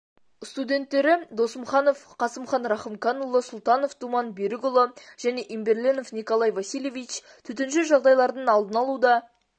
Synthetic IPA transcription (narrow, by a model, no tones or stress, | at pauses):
st̪ud̪ʲe̞nt̪ːe̞ɾɪd̪o̞səmχɑno̞fqʰɑsəmχɑnɾɑχəmkʰɑnulˠəsʊlˠt̪ɑno̞ft̪ʰumɑnbeɾɪɡʊlˠəʒ̥æne̞ʔimbe̞ɾlʲeno̞fnikolˠɑjvɑsʲijlʲe̞vijt͡ʃ | t̪ʰʏt̪̬ɪnʃɪʒɑʁd̪ɑjlˠɑɾd̪əɴɑlˠd̪ənɑlˠud̪ɑ